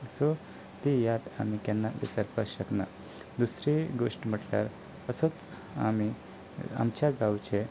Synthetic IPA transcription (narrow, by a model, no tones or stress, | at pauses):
so | t̪ijat̪a̰mikanːaʋḭsəɾpəsɕəkna̰ | d̪usɾeɡoʂʈm̤əʈlja̰ɾ | əsət͡s | a̰mi | a̰mt͡ɕjaɡawt͡ɕe